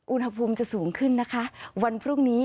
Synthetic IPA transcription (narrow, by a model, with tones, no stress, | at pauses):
ʔu˧nha˧pʰuː˧mt͡ɕa˨˩suː˩˦ŋkʰɯ˥˩nːa˦˥kʰa˦˥wa˧npʰɾuː˥˩ŋniː˦˥